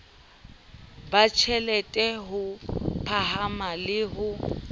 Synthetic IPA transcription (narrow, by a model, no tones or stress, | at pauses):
bat͡ʃʰɛlɛtʼɛɦʊpʰaɦamalɪɦʊ